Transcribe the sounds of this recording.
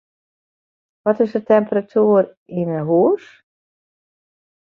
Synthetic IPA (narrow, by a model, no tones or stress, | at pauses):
ʋɔtɪsətɛmpəratʰuər | inənɦuəs